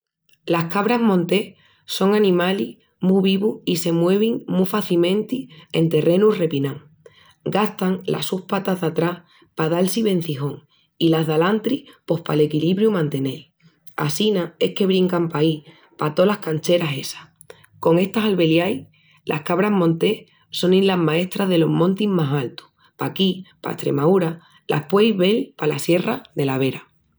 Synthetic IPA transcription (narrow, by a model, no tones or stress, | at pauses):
lahkaβɾaɦmõnt̪e̞ | so̞ŋanĩmalih | muβiβuhise̞mwe̞β̞iŋmufaθimẽ̞nt̪ie̞̰nt̪e̞re̞nure̞pinãŋ | ɡaht̪aŋlʔa̰suhpat̪aðat̪ɾah | paðalsiβe̞n̟θixo̞ŋ | ilaɦðalant̪ɾipo̞hpa̰le̞kiliβɾjumãnt̪e̞ne̞j | a̰sinae̞hke̞βɾiŋkampai | pat̪o̞lahkant͡ʃe̞ɾase̞sḁh | ko̞ŋe̞st̪asalβe̞ljaj | lʔa̰hkaβɾaɦmõ̞nt̪e̞h | so̞ninlaɦmae̞ht̪ɾaðe̞lo̞ɦmõ̞nt̪immasalt̪u̥ | pakipa̰ḛt̪ɾe̞̰mauɾa | lʔa̰hpwe̞jβe̞lpalasje̞raðe̞laβ̞e̞ɾa